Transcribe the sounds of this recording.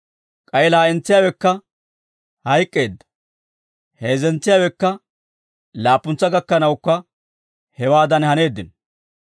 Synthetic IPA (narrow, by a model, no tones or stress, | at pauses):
kʼɐjlaːɛnt͡sːɪjaːwɛkːɐ | hɐjkʼːe̞ːd̪ːɐ̥ | he̞ːzɛnt͡sːɪjaːwɛkːɐ | laːpːʊnt͡sːɐɡɐkːɐnɐwʊkːɐ | hɛwaːd̪ɐnhɐne̞ːd̪ːɪn